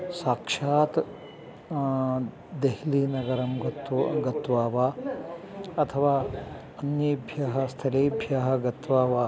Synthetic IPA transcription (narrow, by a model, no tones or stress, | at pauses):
saːkʂaːt̪ | d̪eɦiliːnɐɡɐɾɐmɡɐt̪ɡɐt̪ʋaːʋaː | ɐt̪ʰɐʋaː | ɐnjeːbʱjɐɦɐst̪ʰɐleːbʱjaɦɐɡɐt̪ʋaːʋaː